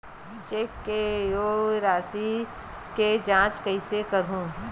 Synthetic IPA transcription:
it͡ʃekːejoːɾaːsi | ked͡ʒãːt͡ʃkɐisekəɾɦũː

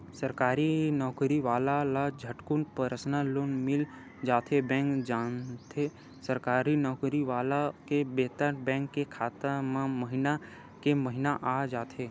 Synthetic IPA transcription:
səɾkaːɾinɔːkɾiʋaːlalad͡ʒʱəʈkunpəɾəsnaloːnmɪl | d͡ʒaːt̪ʰebɛ̃ːŋkd͡ʒaːnt̪ʰe | səɾkaːɾinɔːkɾiʋaːlakebeːt̪əɾbɛ̃ːŋkːekʰaːt̪əmẽməɦɪna | keməɦɪnaʔad͡ʒaːt̪ʰeː

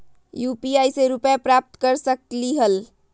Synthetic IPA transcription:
jupiajseɾupjapɾap̚t̪kəɾsəkliɦəl

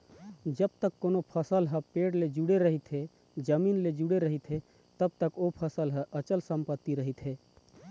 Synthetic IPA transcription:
d͡ʒəb̚t̪əkːonopʰəsəlɦə̃peːɽled͡ʒuɽeɾəɦit̪ɦe | d͡ʒəmiːnled͡ʒuɽeɾəɦit̪ɦe | t̪əb̚t̪əkopʰəsəlɦəʔət͡ʃəlsəmpət̪ːiɾəɦit̪ɦeː

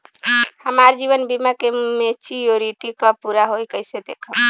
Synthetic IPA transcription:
həmaɾd͡ʒiβənbimakemet͡ʃijoɾiʈikɔpuɾaɦojkəjsed̪ekʰəm

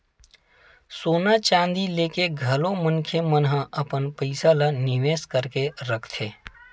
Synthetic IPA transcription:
soːnat͡ʃãːnd̪ileːkeɡʱɐlõmənkʰemənɦãʔɐpənpəɪsalanɪʋeːskəɾkeɾəkʰt̪ʰeː

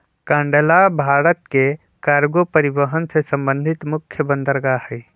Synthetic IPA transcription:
kãɳɖəlabʱaɾət̪ke | kaɾɡopəɾibəɦənsesə̃mbə̃nd̪ʱit̪mukʰːjəbə̃nd̪əɾɡahəj

